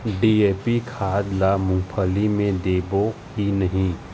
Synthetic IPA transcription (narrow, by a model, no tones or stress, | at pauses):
ɖieːpikʰaːd̪lamʊ̃ŋpʰəlimẽd̪eːboɦinɐɦĩ